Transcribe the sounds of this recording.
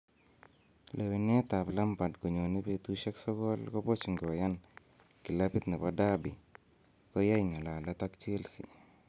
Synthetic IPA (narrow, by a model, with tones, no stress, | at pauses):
lʔe˨wi˨n˦ɛ˦ta˨pla˦mpa˨dko˨ɲo˨ni˦pe˨tu˦ʃɛ˦ksɔ˦kɔ˦lkɔ˦pɔ˦t͡ʃu˨ŋɡɪ˨wa˨ja˦n | ki˨la˦pɪ˦t̪nɛ˨pada˦bi˨ | kɔ˦ja˦jŋa˨la˨la˦ta˦kt͡ʃe˦lsḭ˨